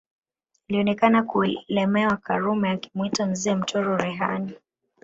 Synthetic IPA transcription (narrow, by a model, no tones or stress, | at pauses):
iliɔnɛkanakulɛmɛwakaɾumɛjaki̥mwitanziɛm̩tʰɔɾɔɾɛɦani